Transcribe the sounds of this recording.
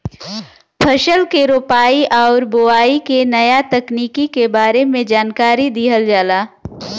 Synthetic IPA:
pʰɐʃəlkeɾoːpaːiʔɔːɾbʊaːikenɐjat̪ɐkniːkikebaːɾemẽd͡ʒaːnkaːɾid̪iːɦəld͡ʒaːlaː

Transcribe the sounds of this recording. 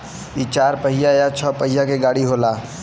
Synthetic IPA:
it͡ʃaːɾpəɦɪjajat͡ʃʰɔːpəɦɪjakeɡaːɽiɦoːlaː

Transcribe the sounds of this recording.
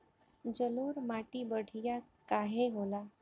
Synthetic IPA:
d͡ʒəluːɾmaʈibəɽ̤ʱija | kaɦeɦola

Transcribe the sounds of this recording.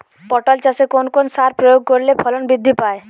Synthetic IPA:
pɔʈɔlt͡ʃasekonkonsaɾpɾɔjoɡ̚koɾlepʰɔlɔnbid̪ʱːipae

